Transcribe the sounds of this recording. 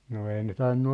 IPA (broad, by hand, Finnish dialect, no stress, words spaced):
no ei ne tɑinːu